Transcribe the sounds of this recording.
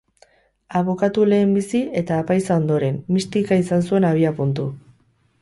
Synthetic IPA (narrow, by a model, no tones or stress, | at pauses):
aβ̞o̞kat̪ule̞ːmbisie̞t̪aːpajsao̞nd̪o̞ɾe̞mːist̪ikaisansue̞naβ̞iapunt̪u